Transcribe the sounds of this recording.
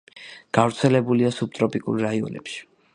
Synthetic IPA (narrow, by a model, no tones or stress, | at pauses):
ɡ̥avɾt̪sʰɛlɛbuliasup̚t̪ʼɾɔpʼikʼṵɾːaiɔ̰nɛ̰pʃi̥